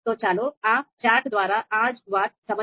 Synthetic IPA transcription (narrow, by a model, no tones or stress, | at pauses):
oːt͡ʃaːloːaːt͡ʃaːɾʈd̪ʋaːɾaːʔaːd͡ʒʋaːt̪̚sɐmɐ